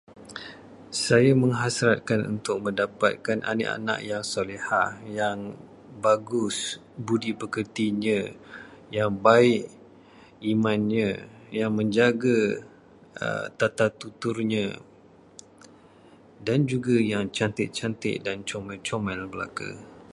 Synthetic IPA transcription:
sajamə̃ŋɦasɾat̪̚kanṵnt̪ʊk̚mə̃ndapat̪̚kanʔa̰nə̰ʔa̰nã̰ʔjaŋsolihajaŋ | baɡʊs | budipəkərt̪iɲə̃ | jaŋbaɪʔ | imãnɲə̃jaŋmə̃ɲd͡ʒaɡa | ə̰t̪at̪at̪ut̪ʊrɲə̃ | dand͡ʒuɡajaŋt͡ʃant̪ɪʔ̚t͡ʃant̪ɪ̰ʔ̚dant͡ʃomɛlt͡ʃomɛlbəla̰ka̰

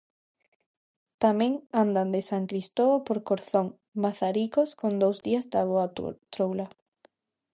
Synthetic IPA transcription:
t̪amẽŋand̪and̪esaŋkɾist̪oopoɾkoɾθoŋ | maθaɾikoskond̪owzðiazd̪aβ̞oat̪ɾowla

